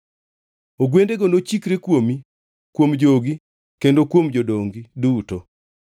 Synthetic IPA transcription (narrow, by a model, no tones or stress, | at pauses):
oɡwendeɡonot͡ʃikɾekwomi | kwomd͡ʒoɡi | kendokwomd͡ʒodoŋɡiduto